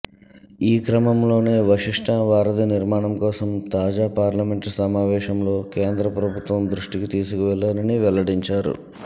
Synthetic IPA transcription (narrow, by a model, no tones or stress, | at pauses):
iːkɾɐmɐmlo̞ːne̞ːʋɐʂiʂʈʰɐʋaːɾɐd̪iniɾmaːɳɐmkɔːsɐmt̪aːd͡ʒaːpaːɾlɐme̞ɳʈsɐmaːʋɛːʃɐmlo̞ːke̞ːnd̪ɾɐpɾɐbʱut̪ʋɐmd̪ɾuʂʈikit̪iːsukiʋɛɭːaːɾɐniʋɛlɐɽiɲt͡ʃaːɾṵ